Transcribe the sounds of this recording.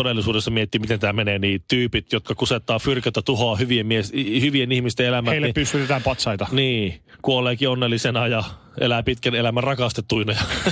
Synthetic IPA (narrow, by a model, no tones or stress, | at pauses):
odelːˑisuːdesːɑmiet̪ːimit̪ent̪ææmeneːniːt̪t̪yːpit̪jot̪kɑkuset̪ːɑːfyrkæt̪æt̪uhoɑhyʋiemmieshyʋienihmist̪eelæmhæeilːepysːyt̪et̪æːpɑt̪sɑit̪ɑniː | kuoleːkionːelːisenɑjɑ | ḛlæpit̪kænelæmærɑkɑst̪et̪ːuinɑjɑ